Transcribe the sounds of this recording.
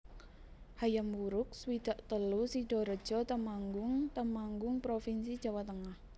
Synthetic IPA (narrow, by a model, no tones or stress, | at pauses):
hajamuɾʊk̚swid̪̥a̤ʔt̪əlusiɖ̥ɔ̤ɾəd̥ʒ̥ɔt̪əmaŋɡʊŋt̪əmaŋɡʊŋpɾofinsid̥ʒ̥a̤wat̪əŋah